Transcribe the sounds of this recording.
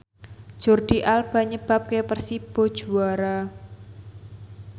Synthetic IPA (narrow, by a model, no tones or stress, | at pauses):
ʒ̥orɖ̪̥iʔalb̥a̤ɲəb̥a̤p̚kepərsib̥o̥ʒ̥uaɾa